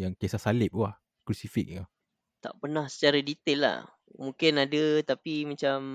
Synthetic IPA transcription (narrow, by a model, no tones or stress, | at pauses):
jaŋkasahsalɪp̚ah | kɾusifik̚a | t̪a̰ʔpənahsə̥t͡ʃaɾadit̪ɛlːa̰h | mũŋkɪnadət̪apimat͡ʃam